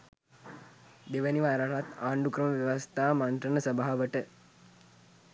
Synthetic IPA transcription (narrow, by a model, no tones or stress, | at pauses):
d̪eʋəniʋaːɾaɳʋat̪aːɳɖukɾəməʋjeʋast̪aːmant̪ɾənəsəbaɦaʋəʈə